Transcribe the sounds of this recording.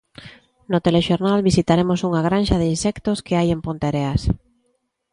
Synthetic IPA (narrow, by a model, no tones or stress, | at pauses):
not̪eleʃoɾnalβisit̪aɾemosuŋaɣ̞ɾãnʃaðinsɛkt̪oskeajempont̪eɾeas